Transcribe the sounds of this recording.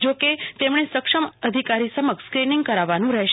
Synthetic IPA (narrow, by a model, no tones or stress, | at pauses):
d͡ʒoket̪emɳ̃esəkʂəməd̪ʱikaɾisəməkskɾinĩŋɡ̚kəɾaʋːanũɾɛɦʃ